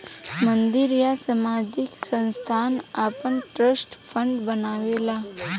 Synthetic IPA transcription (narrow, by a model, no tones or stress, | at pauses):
mənd̪iɾjasəmad͡ʑiksə̃nst̪ʰanapəɳʈɾəsʈfʰəɳɖbənaʋela